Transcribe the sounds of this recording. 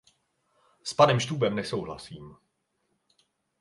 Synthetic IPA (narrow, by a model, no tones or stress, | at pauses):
spadɛmʃt̪uːbɛmnɛso̞wɦla̰siːm